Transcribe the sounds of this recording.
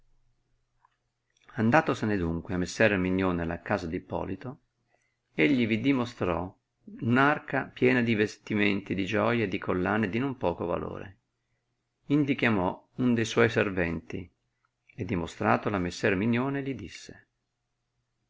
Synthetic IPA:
and̪aːt̪osened̪uŋkweamːesːɛrmiɲːoːnelakaːzad̪ipːɔ̰ːlit̪o | eʎːivid̪imost̪ɾɔ | unarkapjɛːnad̪ivest̪iment̪id̪id͡ʒɔjad̪ikʰolːaːned̪inompɔːkova̰lo̰ːɾḛ | ind̪ikjamɔ | und̪ejswɔjservɛnt̪i | ed̪ːimost̪ɾaːt̪olamesːɛrmiɲːoːnelid̪isːe̥

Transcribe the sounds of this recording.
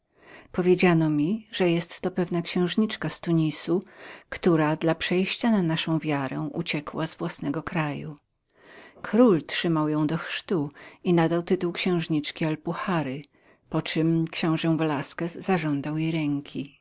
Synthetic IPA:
pɔvʲjed͡ʑanɔmʲiʐɛjɛst̪ːɔpɛvnakɕɛ̃w̃ʐɲit͡ʂkast̪uɲisukt̪uɾad̪lapʂɛjɕt͡ɕananaʂɔ̃w̃vʲjaɾɛ̰w̃ʔṵt͡ɕɛkwazvwasnɛɡɔkɾaju | kɾultʂɘmawjɔ̃w̃d̪ɔxʂt̪uinad̪awt̪ɘt̪uwkɕɛ̃w̃ʐɲit͡ʂkʲialpuxaɾɘ | pɔt͡ʂɘmkɕɛ̃w̃ʐɛ̃vɛlaskɛzːaʐɔnd̪awjejɾɛŋkʲʰi

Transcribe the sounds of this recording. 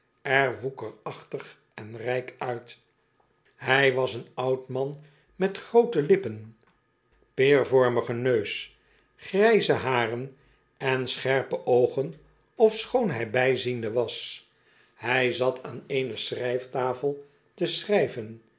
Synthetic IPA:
ɛɹʋukəɹɑχtəχ | ɛnrɛjkœɥt | ɦɛjʋɑsənɑwtmɑn | mɛtχrowtəlɪpən | pɪːɹvɔɹməχənøɥs | χrɛjzəɦaːrən | ɛnsχɛɹpəʔowχən | ɔfsχownɦɛjbɛjzindəʋɑs | hɛjzɑtʰaːneɪnəsrɛjftaːfəlˠ | təsrɛjvən

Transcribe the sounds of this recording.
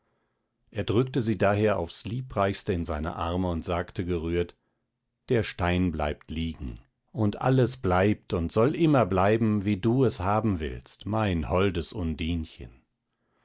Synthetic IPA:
ʔeːɐdʁʏk̚təziːdaːɦeːɐa̰ʊfsliːpʁaɪçstəɪnzaɪnə̰ʔaɐməʊntz̥aːktəɡəʁyːɐt | d̥eːɐʃtaɪnbla̰ɪptliːɡŋ̩ | ʔʊntʔa̰ləsb̥laɪp̚tʊntz̥ɔlʔɪmɐblaɪbm̩viːduːɛshaːbm̩vɪ̰lstmaɪnhɔldəsʔʊndiːnçə̰n

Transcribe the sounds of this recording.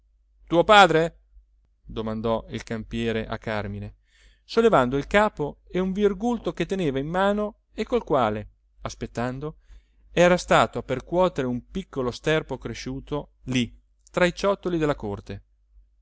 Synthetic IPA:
t̪uːopaːd̪ɾe | d̪omand̪ɔḭlkampjɛːɾeʔa̰kːarmine | solːevand̪oilkaːpoeuɱvirɡult̪oket̪ːeneːvainːaːno | ekːolkwaːle | aspet̪ːand̪o | ɛːɾast̪aːt̪oapːerkwɔːt̪eɾeumpikːolost̪ɛrpokɾeʃuːt̪oli | t̪ɾait͡ʃɔt̪ːolid̪elːakort̪e

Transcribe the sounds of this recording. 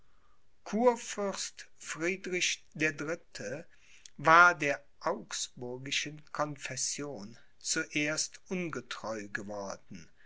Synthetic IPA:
kʰuːɐfʏɐstfʁ̥iːdʁɪçd̥eːɐdʁɪtʰə | vaːɐdeːɐ | ʔaʊksb̥ʊɐɡɪʃənkʰɔnfɛsjoːn | t͡suʔeːɐstʔʊnɡətʁ̥ɔʏɡəvɔɐdn̩

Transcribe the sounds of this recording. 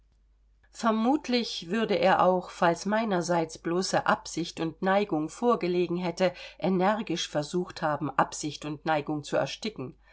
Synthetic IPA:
fɛɐmuːtʰlɪçv̥ʏɐdəʔeːɐʔaʊxfalsmaɪnɐzaɪt͡sb̥loːsəʔapz̥ɪçtʊntnaɪɡʊŋfoːɐɡəleːɡŋ̩ɦɛtəʔenɛʁɡɪʃfɛɐzuːxthaːbm̩ʔapz̥ɪçtʊntnaɪɡʊŋt͡suɛ̰ɐʃtɪkŋ̩

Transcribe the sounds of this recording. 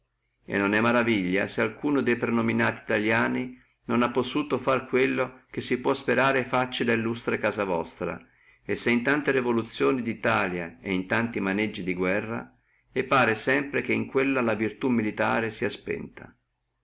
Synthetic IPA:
ḛnːonɛmːaɾaviʎːa̰sealkuːnod̪ejpɾenominaːt̪iːt̪aljaːni | nonapːosuːt̪ofarkwelːok̟esːipwɔspeɾaːɾefat͡ʃːid̪ailːust̪ɾekaːzavɔ̰st̪ɾa̰ | esːeint̪ant̪eɾevolut̪sːjoːnid̪it̪aːljaeint̪ant̪imaned͡ʒːid̪iɡwɛrːa̰ | epaːɾesɛmpɾek̟eiŋkwelːalavirt̪umːilit̪a̰ːɾesiaspɛ̰nt̪a̰

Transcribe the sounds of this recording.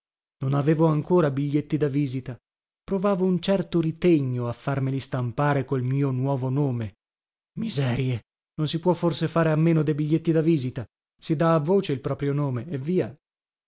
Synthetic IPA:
nonaveːvoaŋkoːɾabiʎːet̪ːid̪aviːzit̪a | pɾovaːvount͡ʃɛrt̪oɾit̪eɲːoafːarmilist̪ampaːɾekolmiːonwɔːvonoːme | mizɛːɾje | nonsipwɔfːorsefaːɾeamːeːnod̪ejbiʎːet̪ːid̪aviːzit̪a | sid̪aːvːoːt͡ʃeilpɾɔːpɾjonoːmeːvːiːa

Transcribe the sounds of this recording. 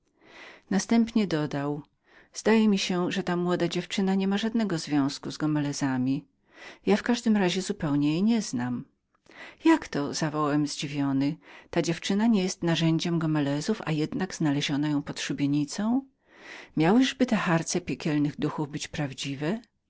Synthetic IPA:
nast̪ɛmpɲɛd̪ɔd̪aw | z̥d̪ajɛmʲiɕɛʐɛt̪amwɔd̪ad͡ʑɛft͡ʂɘnaɲɛmaʐad̪nɛɡɔzvʲjɔ̃w̃skuzɡɔmɛlɛzamʲi | jafkaʐd̪ɘmɾaʑɛzupɛwɲɛjejɲɛznam | jakt̪ɔzavɔwawɛmzd͡ʑivʲjɔnɘt̪ad͡ʑɛft͡ʂɘnaɲɛjɛst̪naʐɛɲd͡ʑɛmɡɔmɛlɛzufa̰jɛd̪naɡz̥nalɛʑɔnajɔ̃w̃pɔt̪ʂubʲjeɲit̪sɔ̃w̃ | mʲjawɘʐbɘt̪ɛxaɾt̪sɛpʲjɛkʲɛlnɘɣd̪uxuvbɘt͡ɕpɾavd͡ʑivɛ

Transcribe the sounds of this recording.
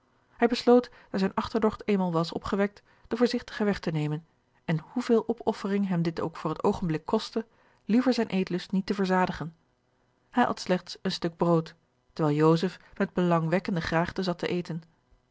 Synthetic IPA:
hɛjbəslowtd̥azɛjnʔɑχtəɹdɔχtejmalˠʋɑsɔ̰pχəʋɛk̚t | d̥əvʊːɹzɪχtə̥χəʋɛχtənejmən | ɛnhuvɪːlˠʔɔpɔfərɪŋɦɛmdɪto̰wkfʊːɹɦətowχənblɪkʰːɔstə | livəɹzɛjnʔejtlɵstnitəvəɹzaːdəχən | hɛjʔɑ̰tslɛχtsənstɵɡ̚browt | təɹʋɛːlˠjowzəfmɛd̚bəlɑŋʋɛkəndəχraːχtəzɑtə̰ʔejtən

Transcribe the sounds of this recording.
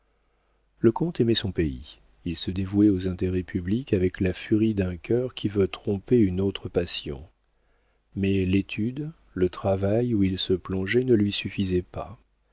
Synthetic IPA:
ləkɔ̃t̪emɛsɔ̃peḭ | ilsəd̪evuɛozɛ̃t̪eʁɛpʰyblikavɛklafyʁid̪ɛ̃kʲʰœʁkʲʰivøt̪χɔ̃peynot̪χəpasjɔ̰̃ | mɛlet̪ʰyd̪ | lət̪χavajuilsəplɔ̃ʒɛnəlɥisyfizɛpa

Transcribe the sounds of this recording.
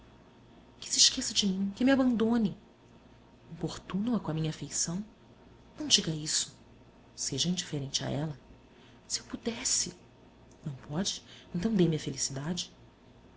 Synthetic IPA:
kɪ̥sɪʃkesɐd͡ʒɪmĩkɪmɪabɐ̃nd̪õnɪ | ĩpoχt̪ũnwɐkõɐmĩɲɐafejsɐ̃w̃ | nɐ̃w̃d͡ʒiɡɐisʊ̥ | seʒɐĩnd͡ʒifeɾẽnt͡ʃɪa̰ɛlɐ | sɪewpud̪ɛsɪ | nɐ̃w̃pɔd͡ʒɪẽnt̪ɐ̃w̃d̪emɪɐfelisid̪ad͡ʒɪ

